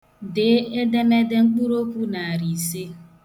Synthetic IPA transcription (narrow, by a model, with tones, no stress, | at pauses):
de˨˦e˦de˦me˦de˦ŋ͡m̩˦k͡pu˦ɾo˦kʷu˦na˨a˨ɾi˨se˦